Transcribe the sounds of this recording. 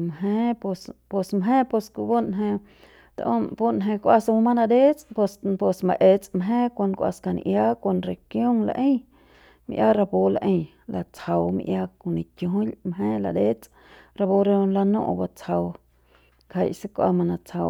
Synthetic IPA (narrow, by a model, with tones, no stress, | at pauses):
mɦẽ˦po˧spo˧smɦẽ˦po˧sku˧bo˦nɦẽ˧ | t̪a̰˧ʔõ˦po˦nɦẽ˧kʷa˧sa˧mũ˧mã˦nã˧d̪e˦t͡spo˧spo˧sma˧ʔe˧t͡smɦẽ˦kʷa˧n˧kʷa̰˧ska˧n̰˧ʔja˦kʷo˧nɾe˨kjo˦ŋla̰˧ʔĩ˦ | mḭ̃˧ʔja˦ɾa˧bo˧la˧ʔĩ˧j | la˧t͡sha˧wmḭ̃˧ʔja˧ko˧nĩ˨kjõ˧˨ɦlmɦẽ˦la̰˧d̪e˦t͡sʼ | ɾa˧bo˧ɾe˧la˧nõ̰˦˧ʔba˧t͡sha˧w | kʰa˧˨jse˦kʷʔa̰˧mã˧nã˧t͡sha˧w